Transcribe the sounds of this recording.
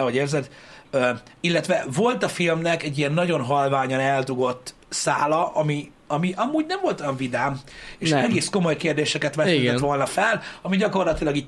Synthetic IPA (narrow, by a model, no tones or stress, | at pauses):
ɛɦo̞ɟeːrzɛd̪øilːɛt̪ʋɛvo̞lt̪ɒfilmnɛkɛɟːiɛnːɒɟo̞nɦɒlvaːɲɒnɛld̪uɡo̞t̪ː | saːlɒʔɒmi | ɒmiʔɒmuːɟnɛɱvo̞lt̪ojɒɱvid̪aːmeːʃɛɡeːsko̞mo̞jkeːrd̪eːʃɛkɛt̪ʋɛt̪ːɛt̪ʋo̞lnɒfɛlɒmiɟɒko̞rlɒt̪ilɒɡiː